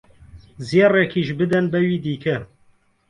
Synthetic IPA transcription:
zeːrɛkʰiːʃbɨd̪ɛnbɛwiːd̪iːkʰɛ

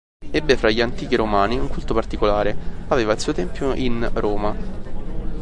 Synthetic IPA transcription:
ɛbːefɾaʎːiant̪iːk̟iɾomaːniuŋkult̪opart̪ikolaːɾeaveːvailsuːot̪ɛmpjoʔinroːma

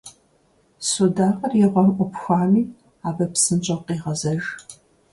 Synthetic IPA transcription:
sodaːqɐrjɛʁʷɔmʔʷɔpxʷaːmiː | aːbɐpsɨnt͡ʃʼɐqiːʁɐzɐʒ

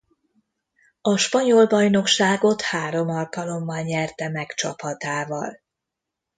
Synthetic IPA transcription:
ɒʃpɒɲolbɒjno̞kʃaːɡo̞t̪haːɾo̞mɒlkɒlo̞mːɒlɲɛrt̪ɛmɛkt͡ʃɒphɒt̪aːvɒ̰l

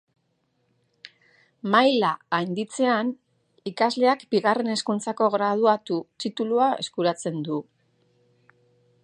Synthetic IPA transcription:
majlaːjnd̪it͡se̞an | ikazle̞akbiɣare̞ne̞skunt͡sako̞ɣɾað̞uat̪ut̪it̪uluae̞̰skuɾat͡se̞nd̪u

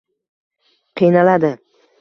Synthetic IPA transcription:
qʰijnalad̪ɪ

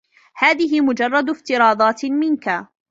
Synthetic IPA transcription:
haːðɪɦɪmʊd͡ʒɑrˤːɑd̪ft̪ɪɾɑːd̪ˤɑːt̪mɪnka

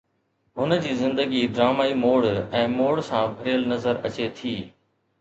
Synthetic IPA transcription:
ɦʊnəd͡ʑiːzɪ̃nd̪əɡiɖɾaːmaːimoːɽɛ̃ːmoːɽsãːbʱɐɾijəlnɐzəɾɐ̰t͡ɕet̪ʰiː

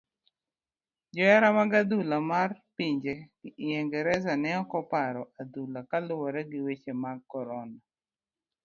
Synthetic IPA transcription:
d͡ʒɔɛɾamaɡad̪ulamarpiɲd͡ʒeɡ̥ɪʔɪɛŋɡɛɾɛzanɛɔkɔpaɾɔʔad̪ulakalʊwɔɾɛɡɪwet͡ʃemaɡ̚kːɔɾɔna

